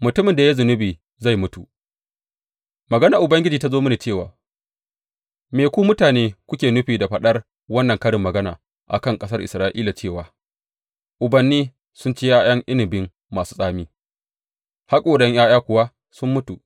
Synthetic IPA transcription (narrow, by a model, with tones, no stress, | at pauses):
mʊ˨tʊ˦mɪ˨nda˨ja˦zʊ˨nʊ˦biː˨ | za˦˨jmʊ˦tu˨ | mɐ˨ɡɐ˦na˨ʔʊ˨bɐ˦ŋɡʲɪ˦d͡ʒiː˨ta˦zoː˦mʊ˦niː˨t͡ʃeː˦˨wa̰ː˨ | meː˨kʷuː˦mʊ˦taː˨neː˦kʷʊ˦kʲeː˨nʊ˦ɸiː˨da˨ɸɐ˦ɗɐ˦r | wɐ˦nːɐ˨ŋkɐ˦ɽɪ˨mːɐ˨ɡɐ˦naː˨ | ʔa̰˨kɐ˦˨ŋkʼɐ˦sɐ˦rʔɪ̰˨sɾaː˦ʔḭː˦la˨t͡ʃeː˦˨waː˨ | ʔʊ˨bɐ˨nːiː˦ | sʊ˦nt͡ʃe˦jaː˦j̰ɐ˦ŋʔɪ˦nɪ˨bɪ˦ŋ | maː˨su̥ː˦sʼaː˦miː˦ | ha˦kʼoː˨ɗɛ˦ɲjaː˦jaː˦kʷʊ˨wa˦ | sʊ˦mːʊ˦tu˨